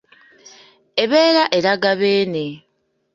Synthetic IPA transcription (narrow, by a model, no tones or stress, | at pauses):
eβe̞ːɾaʔeɾaɡaβeːne